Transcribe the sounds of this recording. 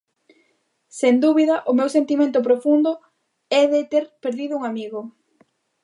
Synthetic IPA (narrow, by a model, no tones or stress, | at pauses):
send̪uβiðɐʔʊmewsent̪imẽnt̪ʊp̬ɾofund̪ʊ | ɛðɪt̪eɾpeɾðiðʊuŋamiɣʊ